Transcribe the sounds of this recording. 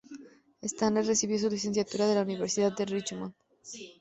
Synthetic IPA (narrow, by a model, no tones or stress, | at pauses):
est̪aneresiβjo̞s̬ulis̬e̞ns̬jat̪uɾaðe̞launiβe̞ɾsiðad̪̚d̪erit͡ʃmond̪̥